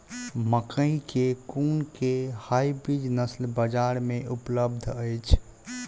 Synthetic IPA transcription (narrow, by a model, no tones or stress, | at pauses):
məkəĩkekuːnkehaːibɾid͡ʒnəslbəd͡ʒaːɾmẽʔʊpləb̚d̪ʱəjt͡ʃʰ